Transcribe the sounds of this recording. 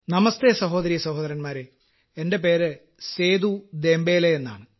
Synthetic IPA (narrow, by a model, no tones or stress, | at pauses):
nɐmɐst̪esɐɦo̞ːd̪ɐɾiːɐsɐɦo̞ːd̪ɐɾɐnmaːɾe | ende̞p̬e̞ːɾɨ | seːd̪ud̪e̞ːmbeːlejenːa̰ːɳɨ